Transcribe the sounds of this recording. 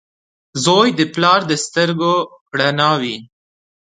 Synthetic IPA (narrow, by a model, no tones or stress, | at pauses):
zojd̪əplɑɾd̪əst̪əɾɡo | ɽanɑwi